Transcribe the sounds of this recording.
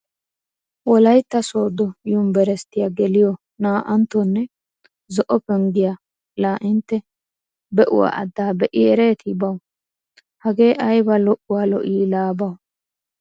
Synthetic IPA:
wɔlɐjt̪ːɐsoːd̪ɔjʊmbɛɾɛst̪ːɪjaɡɛlɪjɔ | naːʔɐnt̪ːɔnːɛ | zɔʔɔpɛŋɡɪja | laːʔɪnt̪ːɛ | bɛʔʊ̰wa̰ːʔɐ̰d̪ːaːbɛʔɪɛɾeːt̪ɪbɐw | hɐɡe̞ːʔɐjbɐlɔʔʊwalɔ̰ʔiːlaːbɐw

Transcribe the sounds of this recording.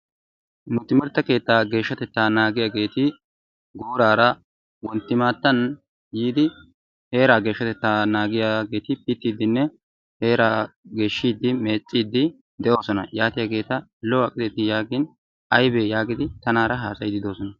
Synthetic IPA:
mʊt̪ːɪmɪɾt̪ːɐke̞ːt̪ːaːɡe̞ːʃːɐt̪ɛt̪ːaːnaːɡɪjaːɡe̞ːt̪ɪ | ɡoːɾaːɾɐ | wɔnt̪ːɪmaːt̪ːɐn | jiːd̪ɪ | he̞ːɾaːɡeːʃːɐt̪ɛt̪ːaːnaːɡɪjaːɡe̞ːt̪ɪpɪt̪ːiːd̪ɪnːɛ | he̞ːɾaːɡe̞ːʃːiːd̪ːɪmeːt͡sʼːiːd̪ːɪ | d̪ɛʔo̞ːsɔnɐjaːt̪ɪjaɡe̞ːt̪ɐlɔɐkʼːɪd̪ɛt̪ɪjaːɡɪn | ɐjbejaːɡɪd̪ɪt̪ɐnaːɾɐɦaːsɐjd̪ɪd̪o̞ːsɔnɐ

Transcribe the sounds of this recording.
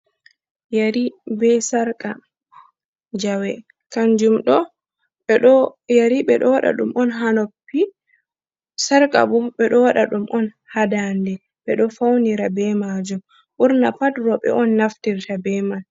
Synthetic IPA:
jaɾibɛsaɾkʼa | d͡ʒawɛ | kand͡ʒumɗɔ | ɗjaɾiɓɛɗɔwaɗa̰ɗumʔɔnɦanopːi | saɾkʼa̰bɔɓɛɗɔwaɗaɗumʔɔn | hadandɛ | ɓɛɗɔfawniɾabɛmad͡ʒum | ʔuɾnapadɾɔɓɛ̰ʔɔnːaftiɾtabɛmal

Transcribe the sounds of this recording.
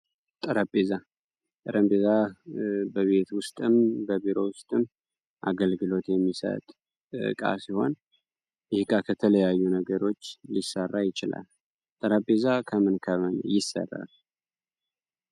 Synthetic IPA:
t̪ʼɨɾəbeza | t̪ʼəɾʔəmbeza | bəβe̞t̪wʊst̪ʼɨmbəbiɾo̞wʊst̪ʼɨm | ʔa̰ɡəlɡɨlo̞t̪jɛmːisə̰t̪ʼ | kʼa̰siho̞̰n | ɪhkʼakʰət̪ʰələjajːunəɡəɾo̞t͡ʃːlisːərːajɪt͡ʃɪla̰l | t̪ʼɨɾəbezakʰəmɨnkʰəmən̰jɪsə̰rːa̰l

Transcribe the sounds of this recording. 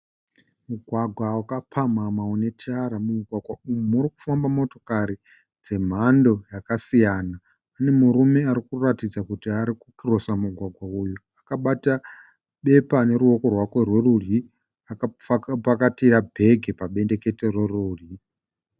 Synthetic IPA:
muɡʱwaɡʱwawakapʰamamaone̞tʰaɾamumuɡʱwaɡʱwaumuɾiku̥fambamo̞to̞̥kaɾi | d͡ze̞m̤ando̞jakasijaːnaː | ne̞muɾume̞aɾikuratid͡zakutiaɾikukiro̞samuɡʱwaɡʱwauju | akaɓata | ɓe̞pane̞ɾuo̞ko̞rwakwe̞rwerurji | apakatiɾabʱe̞ɡʱepaɓe̞nde̞ke̞terweruːri

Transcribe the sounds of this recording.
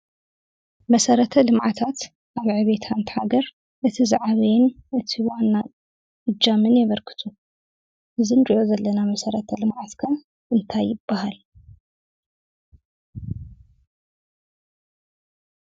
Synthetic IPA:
mɐsɐɾɐt̪ʰɐlɨmʕat̪ʰat̪ | ʔaβʕɨβet̪ʰant̪ʰħaɡɐɾ | ʔɨt̪ʰizɨʕaβɐjnʔɨt̪ʰiwanːa | ɨd͡ʒːamɨnjɛβɐɾkʰɨ̥t̪ʰu | ʔɨzinɾʼiʕozɐlːɐnamɐsɐɾɐt̪ʰɐlɨmʕat̪kʰɐ | ɨnt̪ʰajːɪb̥ːahal

